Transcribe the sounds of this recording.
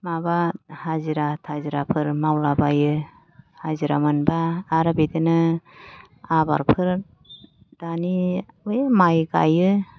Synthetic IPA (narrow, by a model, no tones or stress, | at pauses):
mabahaziɾatʰaziɾapʰɯɾmawlabajɯ | haziɾa̰mɯnbaːɾɯbedɯnɯ | aba̰ɾpʰɯɾ | d̥aniɯjmajɡa̰jɯ